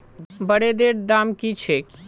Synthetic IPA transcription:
bəɽed̪eɾd̪amkit͡ɕʰe

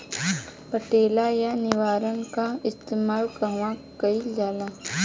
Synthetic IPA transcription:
pəʈeːlajanɪʋaːɾənkaɪst̪eːmaːlkɐɦʋãkɐid͡ʒaːla

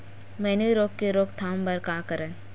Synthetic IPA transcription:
mɛːneiɾoːkkeɾoːkt̪ʰaːmbɐɾkaːkəɾẽ

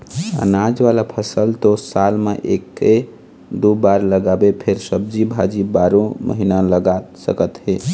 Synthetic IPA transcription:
ə̰nad͡ʒʋalapʰəsəlt̪osalmeʔekːe | d̪ubaɾləɡabepʰeɾsəb̚d͡ʒibʱad͡ʒibaɾõmʔə̰ɦinaləɡasə̰kət̪ɦe

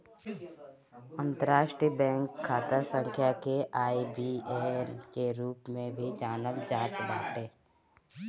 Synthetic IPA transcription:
ə̃nt̪əɾaːʃʈɾiəbɛ̃ːŋkʰːaːt̪əsə̃ŋkʰjakeʔaːibiːenkeɾuːpmẽbʱid͡ʒaːnəld͡ʒaːt̪ba̰ːʈeː

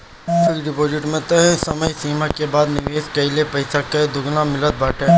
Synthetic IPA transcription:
fɐɡɖɪpoːd͡ʒɪʈmẽt̪ɐɦsɐməjsiːmakebaːd̪nɪʋeːskɐilepɐɪsakɐd̪ʊɡnamɪlət̪̚baːʈʰẽ

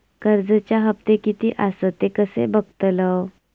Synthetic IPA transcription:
kəɾd͡zət͡ɕjaɦəp̚t̪ekit̪iːʔasət̪ekəsḛbəɡt̪ələw

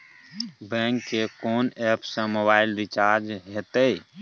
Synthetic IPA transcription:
bɛ̃ŋkːekoːnepʰsə̃mobaːɪlɾit͡ʃaːɾd͡ʒɦet̪ə

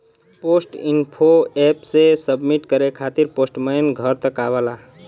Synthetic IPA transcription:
posʈḭnpʰoepsesəbmiʈkəɾekʰat̪iɾposʈməjnɡʱəɾt̪əkaβəla

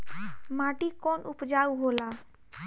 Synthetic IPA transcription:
maːʈikoːnʔʊpd͡ʒaːuɦoːlaː

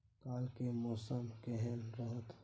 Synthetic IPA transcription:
kaːlkemɔːsəmkeɦɛnɾəɦət̪ʰ

